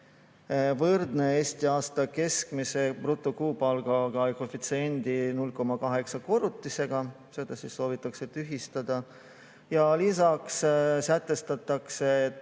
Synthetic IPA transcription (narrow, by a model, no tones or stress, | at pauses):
vɤrd̪ne̞eːst̪iɑːst̪ɑke̞skmise̞prut̪ːˑokuːpɑlɡ̥ɑɡ̥ɑjkofit̪send̪̥inulko̞mɑkɑɦe̞ksɑko̞ɾut̪ːˑise̞ɡ̥ɑ | se̞ːd̪̥ɑsisːo̞ːvit̪ːˑɑkse̞t̪yɦist̪ɑd̪̥ɑ | jɑlis̬ɑkssæt̪ːˑe̞st̪ɑt̪ːˑɑkse̞t̪